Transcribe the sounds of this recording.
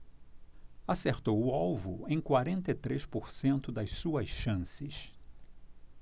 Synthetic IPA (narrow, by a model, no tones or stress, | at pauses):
aseɾt̪owʊawvʊẽj̃kwaɾẽnt̪ɐit̪ɾeʃpoɾsẽnt̪ʊd̪ɐjssuɐsʃɐ̃sɪs